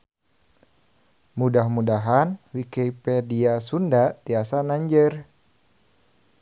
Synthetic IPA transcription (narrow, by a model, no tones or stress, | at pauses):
mudahmudaɦanwikepɛdiasundat̪iasanaɲd͡ʒər